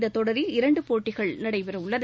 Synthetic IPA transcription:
d̪ɐt̪ɔɽɐɾɪlɪɾɐɳɖɯpoːʈːɪɣɐɭnɐɽɐɪpɪɾɐʊɭːɐɾ

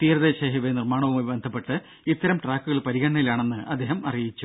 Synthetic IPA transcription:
t̪iːɾɐðeːɕɐɦiʋenirmaːɳɐʋumubibend̪ʱɐpːe̞ʈːɨ | it̪ːɐɾɐmʈraːkːuɣɐɭpɐɾiɣɐɳːɐilaːɳe̞nːɨʔɐ̰d̪ːe̞ːɦɐmʔɐrijit͡ɕːu

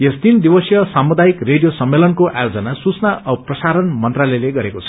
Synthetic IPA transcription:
jest̪ind̪ibʌsjʌsamud̪ajikreɽijosʌmːelʌnkoʔa̰jod͡zʌnasut͡snaʌprʌsaɾʌnmʌnt̪ralʌjleɡʌɾekot͡sʰʌ̥

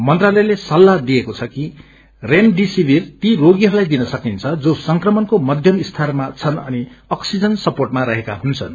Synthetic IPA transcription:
mʌnt̪ralʌjlesʌlːad̪iekot͡sʰʌki | remɖisibirt̪iroɡiɦʌɾulajd̪inʌsʌkint͡sʰʌd͡zosʌŋkrʌmʌnkomʌd̪ʱjʌmist̪ʰarmat͡sʰʌnʌniʌksid͡zʌnsʌporʈmaɾʌɦeka̰ɦunt͡sʰʌn

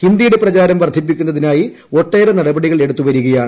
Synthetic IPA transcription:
hind̪ijuɽeprɐt͡ɕaːɾɐmʋɐrd̪ʱipːikʲːunːɐðinaːji | o̞ʈːe̞ːɾenɐɽɐbɐɽiɣɐɭe̞ɽut̪ːuʋɐɾuɣɐjaːɳɨ

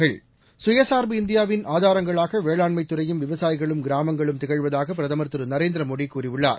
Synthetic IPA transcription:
ɐɭ | sʊjɐsaːɾbɯɪnd̪ɪjaːʋɪnaːðaːɾɐŋɡɐɭaːɣɐʋeːɭaːɳmɐɪt̪ːɯɾɐjɯmʋɪʋɐsaːjɪɣɐɭɯmɡɪɾaːmɐŋɡɐɭɯmt̪ɪɣɐɻʋɐðaːɣɐp̬ːɪɾɐðɐmɐɾt̪ːɯɾɯnɐɾeːnd̪ɪɾɐmoːɽikuːɾɪʋɯɭːa̰ːɾ

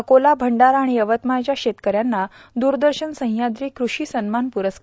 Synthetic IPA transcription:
əkolabʱəɳɖaɾaɽ̃iəʋət̪mat͡ɕjaɕet̪kəɾjanːa | d̪uːɾd̪əɾɕənsə̃ɦjad̪ɾiːkɾuɕiːsənmanpuɾəsk

